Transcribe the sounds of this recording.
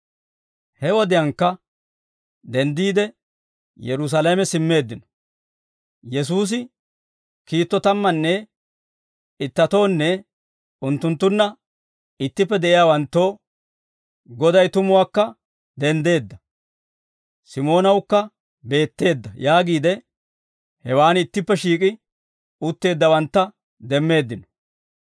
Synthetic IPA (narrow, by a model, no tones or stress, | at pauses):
hɛwɔd̪ɪjɐŋkːɐ | d̪ɛnd̪iːd̪ɛ | jɛɾʊs̬ɐlɐmɛsɪmːe̞ːd̪ːɪnɔ̥ | jɛs̬uːs̬ɪ | kiːt̪ːɔt̪ɐmːɐnːɛ | ɪt̪ːɐt̪o̞ːnːɛ | ʊnt̪ːʊnt̪ːʊnːɐ | ɪt̪ːɪpːɛd̪ɛʔɪjaːwɐnt̪ːo̞ː | ɡɔd̪ɐjt̪ʊmʊwaːkːɐ | d̪ɛnd̪e̞ːd̪ːɐ | sɪmo̞ːnɐwkːɐ | be̞ːt̪ːe̞ːd̪ːɐjaːɡiːd̪ɛ | hɛwaːnɪt̪ːɪpːɛʃiːkʼɪ | ʊt̪ːe̞ːd̪ːɐwɐnt̪ːɐ | d̪ɛmːe̞ːd̪ːɪnɔ̥